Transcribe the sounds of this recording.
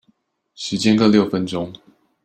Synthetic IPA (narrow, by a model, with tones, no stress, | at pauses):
ʂɻ̩˨˧˥t͡ɕjɛ˥˦nkɤ˥˧ljo˥˩ʊfə˦nʈ͡ʂʊ˥ŋ